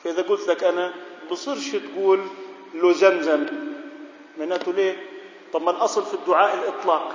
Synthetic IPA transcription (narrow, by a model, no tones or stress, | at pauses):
faʔɪðaɡʊːlt̪lakʔanabɨsˤiːɾʃit̪ɡuːl | lːozanzam | maʕnaːt̪ʊleː | t̪ˤɑmːɑlʔɑsˤlfid̪ːʊʕaːʔɪlʔɨt̪ˤlɑːq